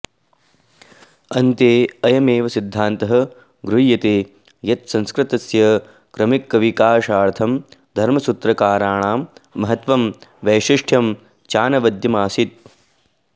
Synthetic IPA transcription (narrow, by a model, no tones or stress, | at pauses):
ɐnt̪eːɐjɐmeːʋɐsid̪ʱːaːnt̪ɐɦɐ | ɡɾujɐt̪eː | jɐt̪sɐ̃nskɾɪt̪ɐsjɐ | kɾɐmikːɐʋikaːʂaːɾt̪ʰɐmd̪ʱɐɾmɐsut̪ɾɐkaːɾaːɳaːmːɐɦɐt̪ʋɐmʋɐːʃiʂʈʰjɐm | t͡ʃaːnɐʋɐd̪jɐmaːsit̪̚